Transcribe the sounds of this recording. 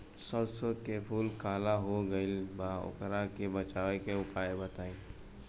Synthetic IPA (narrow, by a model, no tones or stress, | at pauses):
səɾsokepʰuːlkaːlaɦoɡəɪlbaʊ̰kɾakebət͡ʃaːʋekeʊpaːebət̪aːĩ